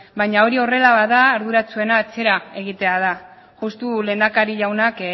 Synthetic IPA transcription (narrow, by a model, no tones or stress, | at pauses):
bajɲao̞ɾio̞re̞laβaðaːɾðuɾat͡sue̞naːt͡se̞ɾae̞ɣ̞it̪e̞að̞a | ɣust̪ule̞ːnd̪akaɾiʎawnak